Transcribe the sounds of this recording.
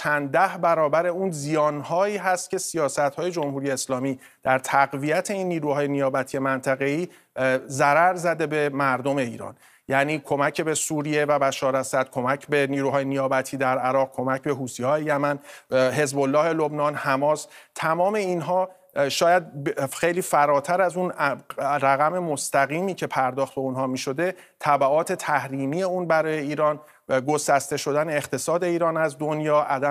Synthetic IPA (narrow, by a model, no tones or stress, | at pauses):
t͡ʃʰænd̪æhbæɾɒːbæɾe̞unzijɒːnhɒːiːɦæst̪̚cʲʰe̞sijɒːsæt̪hɒːje̞d͡ʒo̞mhuɾije̞ːslɒːmiː | d̪̥æɾt̪ʰæɣvijæt̪ʰe̞inːiːɾuːhɒːjenijɒːbæt̪ʰiːjemænt̪ʰæɣe̞iː | zæɾæɾzæd̪e̞be̞mæɾd̪ome̞iːɾɒ̰ːn | jæniːkʰo̞mæcʰebe̞suːɾije̞væbæʃɒːɾæsæd̪̥̚kʰo̞mæcʰbe̞niːɾuːɦɒːjenijɒːbæt̪ʰiːd̪æɾæɾɒːɣ̚kʰo̞mæcbe̞ɦuːsiɒːjejæmænɦe̞zbo̞lːɒːhe̞lo̞bnɒːnhæmɒːst̪ʰæmɒːme̞inɦɒː | ʃɒːjæd̪̚xejliːfæɾɒːt̪ʰæɾæzun | ɾæɣæme̞most̪æɣiːmiːcʰe̞pʰæɾd̪ɒːχt̪̚be̞unɦɒːmiːʃo̞d̪e̞ | t̪ʰæbæɒːt̪ʰe̞t̪ʰæhɾiːmiːje̞uːnbæɾɒːje̞iːɾɒːn | ɡo̞sæst̪e̞ʃo̞d̪æne̞ːχt̪ʰe̞sɒːd̪e̞iːɾɒːnæzd̪onjɒːʔæd̪æ